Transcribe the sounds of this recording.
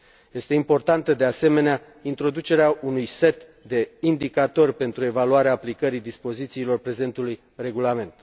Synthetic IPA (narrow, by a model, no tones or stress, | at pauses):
je̞st̪e̞impo̞rt̪ant̪əd̪e̞ase̞me̞nea | int̪ɾo̞d̪ut͡ʃe̞ɾeaunujse̞t̪ | d̪e̞ind̪ikat̪o̞rʲpe̞nt̪ɾue̞valuaɾeaːplikəɾid̪ispo̞zit̪siːlo̞rpɾe̞ze̞nt̪uluj | re̞ɡulame̞nt̪